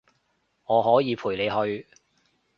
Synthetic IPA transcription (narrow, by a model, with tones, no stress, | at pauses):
ŋɔː˨˧ɦɔː˨˥jiː˨˧pʰuː˨˩jle˨˧jɦɵ˧ɥ